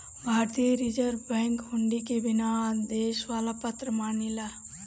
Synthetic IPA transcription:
bʱaːɾt̪ijəɾid͡ʒəɾbɛ̃ːŋkɦʊ̃ɳɖikebɪnad̪eːʃʋaːlapət̪ɾəmaːnila

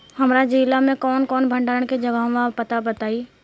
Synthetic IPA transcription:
hɐmɾad͡ʒiːlamẽkɔːnkɔːnbʱɐ̃ɳɖaːɾəɽ̃ked͡ʒɐɡãːʋapɐt̪abɐt̪aːiː

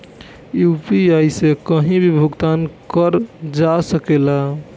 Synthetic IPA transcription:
jupiajsekəɦĩbʱibʱuɡt̪ankəɾd͡ʒasəkela

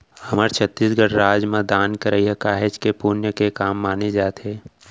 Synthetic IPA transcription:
hɐməɾt͡ʃʰət̪ːiːsɡəɽɾaːd͡ʒmãd̪aːnkəɾəiɛkaːɦɪd͡ʒkepuːɾnjəkekaːmːaːned͡ʒaːt̪eː

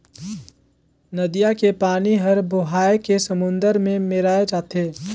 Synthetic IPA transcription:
nɐd̪ijakepaːniɦɐɾboɦaːekesəmʊ̃nd̪əɾmẽmeɾaːed͡ʒaːt̪eː

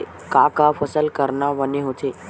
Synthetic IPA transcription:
kakafəsəlkəɾnaʋəneɦot̪ʰeː

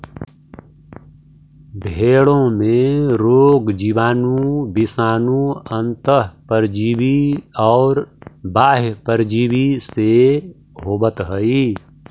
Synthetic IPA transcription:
bʱeːɭõmẽɾoːɡd͡ʒibaːnũbɪsaːnũənt̪əɦpəɾd͡ʒiːbiɔːɾbaːɦpəɾd͡ʒiːbise | ɦoːbət̪ɦəi

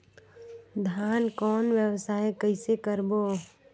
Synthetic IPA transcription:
d̪ʱjaːnkɔːnwjəwsaːekəɪsekəɾboː

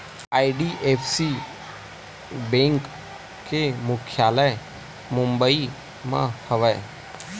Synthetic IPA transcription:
aːiɖiʔeːpʰsi | bẽːŋk | kemʊkʰjaːləj | mʊ̃mbəi | mã̰həʋəe

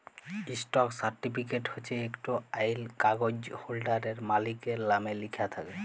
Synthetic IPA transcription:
isʈɔksaɾʈipʰikeʈhot͡ʃʰeekʈoajlkaɡod͡ʑholɖaɾeɾmalikeɾlamelikʰat̪ʰake

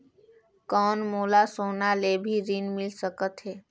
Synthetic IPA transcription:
kɔːnmoːlasoːnalebʱiɾinmɪlsəkət̪ɦeː

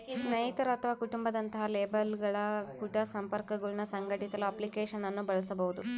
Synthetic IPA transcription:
nɐjit̪ɐɾuɐt̪ʰɐʋaːkuʈumbɐd̪ɐnt̪ɐɦɐleːbɐlɡɐɭɐkuʈɐsɐmpɐɾkɐɡɐɭunɐsɐŋɡɐʈit̪ɐluɐplikeːʂɐnːɐnːubɐɭɐsɐbɐɦud̪u

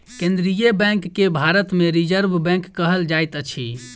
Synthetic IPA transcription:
kẽnd̪ɾijebɛ̃ŋkːebʱaɾət̪meɾid͡ʒəɾbʱbɛ̃ŋkːəɦəld͡ʒajt̪ət͡ʃʰi

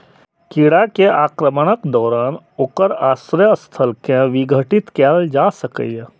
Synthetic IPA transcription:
kiɽakeʔaːkɾəməɽ̃əkd̪ɔːɾaːnoːkəɾaːsɾjəst̪ʰəlkjãʋɪɡʱəʈɪt̪kɛld͡ʒaːsəkə̰j

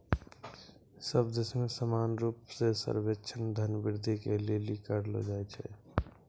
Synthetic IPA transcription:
səbd̪esmẽsəmanɾupsesə̰ɾbetːt͡ʃʰənd̪ʱənbiɾd̪ʱikelelikəɾlo̰d͡ʒaɛt͡ʃʰɛ̰

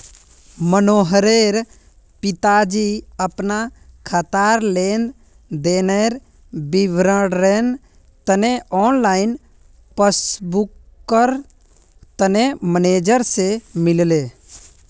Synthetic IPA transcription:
mənoːɦəɾeɾ | pɪt̪ad͡ʒiəpnakʰət̪aɾlend̪ | d̪eneɾ | bibɾəɽɾen | t̪əneʔɔːnlaɪn | pəsbukː | əɾ | t̪əneməneːd͡ʒəɾsemɪlle

